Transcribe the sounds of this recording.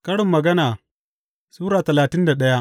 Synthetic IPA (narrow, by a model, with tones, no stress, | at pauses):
kɐ˦ɽɪ˨mːɐ˨ɡɐ˦naː˨ | suː˦ɾaː˨tɐ˨laː˨tɪ˦nda˨ɗɐ˦ja˦ʔ